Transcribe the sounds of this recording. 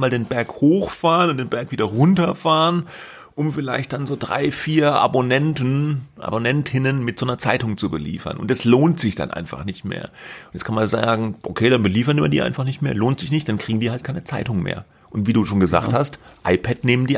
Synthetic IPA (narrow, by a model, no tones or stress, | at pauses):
maːldeːnbɛɐkhoːxfaːʁənʊntd̥eːnbɛɐkv̥iːdɐʁʊntɐfaːʁən | ʔʊmfɪlaɪçt̚d̥anzoːdʁa̰ɪfiːɐʔa̰bonɛntnʔa̰bonɛntʰɪnənmɪtz̥oːnɐt͡saɪtʊŋt͡subəlḭːfɐ̰nʊ̰ntd̥asloːntz̥ɪçd̥a̰nʔa̰ɪnfa̰χnɪçtmḛːɐʊntjɛt͡skʰanmanza̰ːɡŋ̩ʔokʰeːɾanbəliːfɐtma̰ndḭːʔa̰ɪnfaχnɪçtmḛːɐloːntz̥ɪçnɪçt̚d̥ankʁ̥iːɡŋ̩diːɐhaltkʰaɪnət͡saɪtʊŋmḛːɐ | ʔʊntv̥iːduːʃoːnɡəza̰ːkthastʔaɪpʰɛtneːməndiː